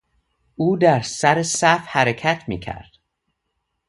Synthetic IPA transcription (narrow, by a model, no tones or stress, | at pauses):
uːd̪æɾsæɾesæfhæɾecʰæt̪ʰmḭːcʰæ̰ɾd̪̥